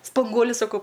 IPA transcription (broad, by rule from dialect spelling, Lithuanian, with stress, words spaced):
spɐŋˈɡuɔlʲʊ sɐˈkɐʊ